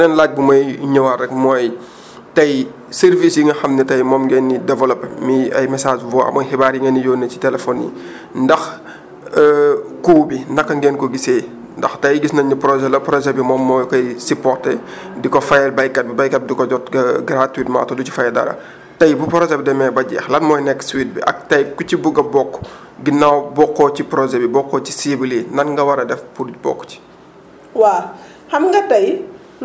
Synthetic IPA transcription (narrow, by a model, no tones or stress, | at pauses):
nɛnlaːc̚bumɐjɲɔwɐrɛkmɔːj | tɐj | sɛrvisjiŋɐxɐmnɛtɐjmɔːmɡɛnːidɛvɐlɔpmiɐ̰jmɐsaːd͡ʒvɔa̰mɔːjhibaːɾjiŋɡɐnijɔːnːɐci̥tɛlɛfɔnḭ | ndɐx | kuːbinɐkːɐŋɡɛnkɔɡiseː | ndɐxtɐjɡisnɐɲipɾɔʒɛlɐpɾɔd͡ʒɛbimɔmːɔjkɔjsipɔrtɛ | dikɔfɐjlbɐjkːɐt̚bibɐjkɐt̚dikɔɟɔtɡɐɡɾatwitma̰tɔducu̥fɐjdɐ̰ɾɐ̰ | tɐjbupɾɔʒɛbidɛmɛbɐɟɛ̰ːxlɐt̚mɔːjnɛkːswit̚bḭʔɐ̰k̚tɐjkucibuɡɐbɔkː | ɡinːawbɔkːɔcipɾɔʒɛbibɔkːɔci̥sibilinɐnŋɡɐwɐɾɐdɛfpudbɔ̰kːci̥ | wa | hɐmŋɡɐtɐj